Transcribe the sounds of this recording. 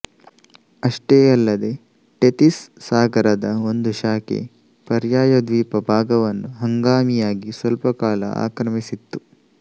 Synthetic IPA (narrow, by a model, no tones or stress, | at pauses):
ɐʂʈeːɐlːɐd̪e̞ | ʈet̪isːaːɡɐɾɐd̪ɐo̞nd̪uʃaːkḛ | pɐɾjaːjɐd̪ʋiːpɐbʱaːɡɐʋɐnːuɦɐŋɡaːmijaːɡisʋɐlpɐkaːlɐ̰a̰ːkɾɐmisit̪ːu